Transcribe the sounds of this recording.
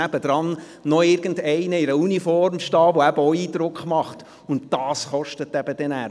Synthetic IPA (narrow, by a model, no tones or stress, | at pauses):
æb̥əd̥̪ɾɑnː | ɔɪɾɡən̩dɛɪnəɪɾəunifɔɾmʃtɑːʋoæbəɔiːd̪ɾʊkχmɑχt | ʊnt̚d̥ɑːsχɔʃtətːɛb̥əd̥ɛnæː